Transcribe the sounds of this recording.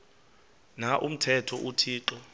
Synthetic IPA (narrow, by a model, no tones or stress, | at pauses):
naʔum̩tʰɛtʰɔʔutʰiːǁɔ